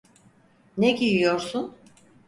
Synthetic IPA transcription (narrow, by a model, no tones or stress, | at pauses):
neɟijijo̞ɾsun